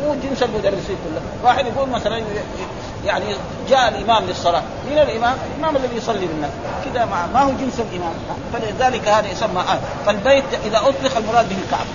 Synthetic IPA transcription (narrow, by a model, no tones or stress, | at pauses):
muːd͡ʒɪnsalmʊd̪ɑrˤːɪsiːnkulːa | waːħɪd̪jaɡuːlmaθalan | jaʕni | d͡ʒaːʔalʔɪmaːmlisˤːɑlɑː | mɪnalʔɪmaːmʔalʔɪmaːmalːaðijsˤɑlːilinːaːs | kid̪amamahud͡ʒɪnsalʔɪmaːmafaliðaːlɪkahaːd̪ajsamːaʔaːn | falbeːt̪ʔɪðaʔʊt̪ˤlɪxalmʊɾˤɑːd̪bɪhilka̰ʕb